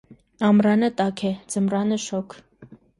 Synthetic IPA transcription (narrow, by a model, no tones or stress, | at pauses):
ɑmrɑnət̪ɑkʰɛd͡zəmrɑnəʃɔkʰ